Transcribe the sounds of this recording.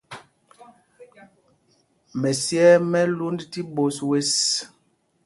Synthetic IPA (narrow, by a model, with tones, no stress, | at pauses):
mɛ˨sjɛ˦mɛ˦lu˦ndti˦bo˨swe˦s